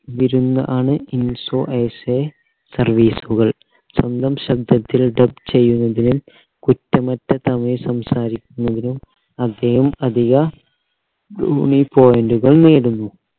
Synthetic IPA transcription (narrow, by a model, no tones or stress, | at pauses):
ʋiɾunːɐʔaːɳɨinsoːʔeːse | sɐrʋiːsuɣɐɭ | sɐnd̪ʱɐmɕɐb̚d̪ɐt̪ːilɖɐb̚t͡ɕe̞jːunːɐðinum | kutːɐmɐtːɐt̪ɐmɐjsɐmsaːɾikʲːunːɐðinum | ɐd̪ːeːhɐmɐd̪ʱiɣɐ | ɖṵːɳipo̞ːjenduɣɐɭneːɽunːu